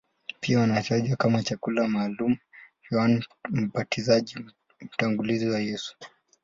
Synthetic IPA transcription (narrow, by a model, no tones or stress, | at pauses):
piawanataʄwakamat͡ʃakulamaːlumuhwanm̩patizaʄi | m̩taŋɡuliziwajɛsu̥